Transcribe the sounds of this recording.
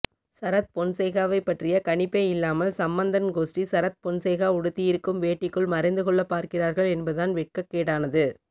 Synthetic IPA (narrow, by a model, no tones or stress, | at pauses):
sɐɾɐt̪̚pɔnseːɣaːʋɐɪpːɐʈrɪjɐkɐɳɪpːeːɪlːaːmɐlsɐmbɐnd̪ɐnɡoːsʈisɐɾɐt̪̚pɔɳseːɣaːʊɽɯt̪ːɪjɪɾɯkːɯmʋeːʈːɪkːɯɭmɐɾɐɪnd̪ɯkɔɭːɐpːaːɾkɪraːɾɣɐɭɛnbɐðaːnʋɪʈ̚kɐkːeːɽaːnɐðɯ